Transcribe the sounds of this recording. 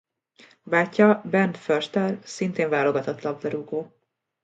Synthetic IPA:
baːcːɒbɛnt̪førʃt̪ɛlsint̪eːɱvaːlo̞ɡɒt̪ot̪lɒbd̪ɒɾuɡoː

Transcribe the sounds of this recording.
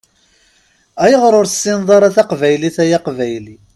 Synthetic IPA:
æjəʁɾˤʊɾsːɪnðˤɑɾˤaθæqvæjliθæjaqvæjli

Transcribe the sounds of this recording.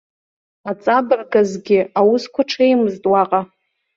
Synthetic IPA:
at͡sʼabɨrɡʼazɡʲɪawʊskʷʰaʈ͡ʂʰejmɨztʼwaqʼa

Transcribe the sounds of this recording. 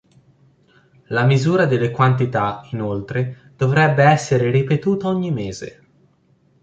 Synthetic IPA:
lamizuːɾad̪elːekwant̪̬it̪ainolt̪ɾe | d̪̥ovɾɛbːeɛsːeɾeɾipet̪uːt̪aoɲːimeːzḛ

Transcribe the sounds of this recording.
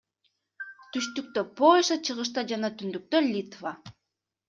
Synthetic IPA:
t̪yʃt̪yk̚t̪øpolʲʃət͡ʃʰɯʁɯʃ̬t̪ɑd͡ʒɑnɑt̪ynd̪yk̚t̪ølʲit̪va

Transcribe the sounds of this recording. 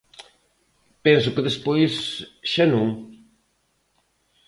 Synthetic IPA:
pɛns̬ʊkɪðespojsʃanũŋ

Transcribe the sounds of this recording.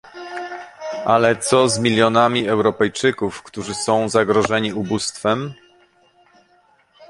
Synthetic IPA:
ʔalɛt̪sɔzmʲilʲjɔnamʲiɛwɾɔpɛjt͡ʂɘkufkt̪uʐɘsɔ̃w̃zaɡɾɔʐɛɲiubust̪fɛm

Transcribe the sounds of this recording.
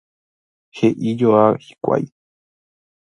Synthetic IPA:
heʔid͡ʒoahi̥kʷa̰j

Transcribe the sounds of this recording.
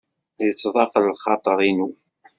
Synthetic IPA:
jət͡sːðˤɑqəlχɑt̪ˤəɾˤinu

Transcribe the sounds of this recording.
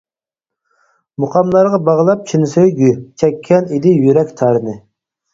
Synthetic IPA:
muqʰɑmlˠɑɾʁɑbɑʁəlˠɑp̚t͡ʃʰinɪsøɡʲyt͡ʃʰɛkʲʰːɛnid̪ɪjyɾɛkʲt̪ʰɑɾnɪ

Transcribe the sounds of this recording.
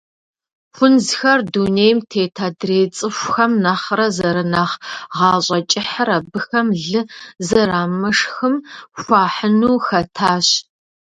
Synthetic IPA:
xʷʊnzxɐrduneːjmtʰeːtʰaːdreːt͡sʼɨɕʷxɐmnaχɾɐzɐɾɨnaːχʁɑːʑʷʼɐt͡ʃʼɪħəɾɐbɨxɐmɮɨzɐraːmɐʂxɨmxʷɑːħənuːxɐtʰaːɕ

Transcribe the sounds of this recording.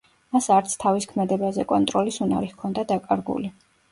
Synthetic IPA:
masaɾt̪sʰt̪ʰaviskʰmɛd̪ɛbazɛkʼɔ̰nt̪ʼɾɔlisuna̰ɾihkʰɔnd̪ad̪akʼaɾɡṵli

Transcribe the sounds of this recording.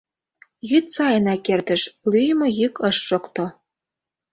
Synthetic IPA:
jyt̪sɑjənɑkert̪ə̆ʃlyjmŏjykɤʃːokt̪o

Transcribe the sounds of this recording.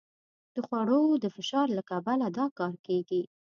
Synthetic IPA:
d̪̥əxwaɽod̪əfɪʃɑɾlakabalad̪ɑkɑɾkeɡi

